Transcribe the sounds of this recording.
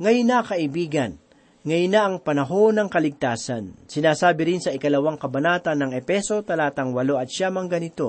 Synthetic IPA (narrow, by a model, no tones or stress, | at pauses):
ŋɐjnakɐʔɪbiːɡɐn | ŋɐjnaʔɐŋpɐnɐɦo̞nɐŋkɐlɪɡ̚t̪aːsansɪnaːsaːbɪɾɪnsɐʔɪkɐlɐwaŋkɐbɐnaːt̪ɐnːɐŋɛpɛso̞t̪ɐlaːt̪ɐŋwɐlo̞ʔɐt̪̚ʃamɐŋɡɐnɪt̪o̞